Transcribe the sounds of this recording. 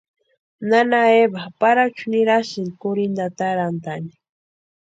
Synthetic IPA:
nanaebapaɾat͡ʃuniɾaʃinkʊɾind̪at̪aɾand̪ani̥

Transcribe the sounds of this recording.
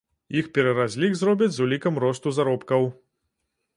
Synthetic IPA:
jixpʲɛɾɐɾazʲlʲiɣzrɔbʲid͡zʲzulʲikɐmɾɔst̪uzaɾɔpkɐw

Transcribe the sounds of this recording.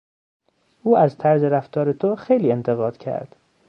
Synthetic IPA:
ʔuːæzt̪ʰæɾzeɾæft̪ɒːɾet̪ʰoxejliːe̞nt̪ʰe̞ɣɒːd̪̥cʰæ̰ɾd̪̥

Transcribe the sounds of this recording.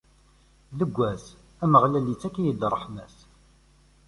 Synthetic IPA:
ðəɡʷːæs | æməʁlælit͡sːækːijəd̪ɾˤəħnæs

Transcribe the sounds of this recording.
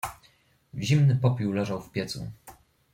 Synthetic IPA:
ʑimnɘpɔpʲiwlɛʐawfpʲjɛt̪sṵ

